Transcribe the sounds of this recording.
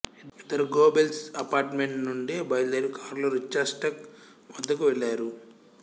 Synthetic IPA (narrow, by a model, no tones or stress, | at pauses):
iit̪ɐɾuɡoːbelsɐpaːɾʈmeɳʈnuɳɖibɐjld̪ɐɾikʰaːɾloːɾit͡ʃːaɾsʈɐk | mɐd̪ːɐkuʋeɭːaːɾu